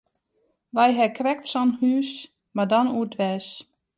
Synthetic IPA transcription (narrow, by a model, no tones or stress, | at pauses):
ʋajɦɛkʰrɛktsɔnhyːs | madɔnuətʋɛːs